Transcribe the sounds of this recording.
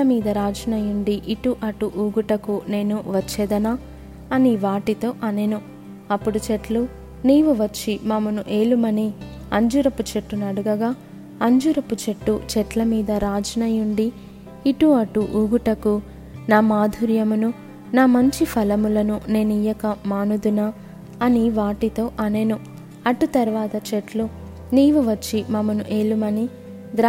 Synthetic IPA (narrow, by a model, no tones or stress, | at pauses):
ɐmiːd̪ɐɾaːd͡ʒɐnɐjuɳɖiʔiʈuʔɐʈuʔuːɡuʈɐkune̞ːnuʋɐt͡ʃːɛːd̪ɐnaː | ɐniʋaːʈit̪o̞ːʔɐnenu | ɐpːuɽut͡ʃeʈlu | niːʋuʋɐt͡ʃːimɐmɐnuʔe̞ːlumɐni | ɐɲd͡ʒuɾɐput͡ʃeʈːunɐɽuɡɐɡaː | ɐɲd͡ʒuɾɐput͡ʃeʈːut͡ʃɛʈlɐmiːd̪ɐɾaːd͡ʒɐnɐjuɳɖiː | ʈuɐʈuʔuɡuʈɐku | naːmaːd̪ʱuɾjɐmunu | naːmɐɲt͡ʃipʰɐlɐmulɐnune̞ːnijɐkɐmaːnud̪unɐː | niʋaːʈit̪o̞ːʔɐne̞nu | ɐʈut̪ɐɾʋaːt̪ɐt͡ʃeʈlu | niːʋuʋɐt͡ʃːimɐmɐnuʔeːlumɐni | d̪ɾ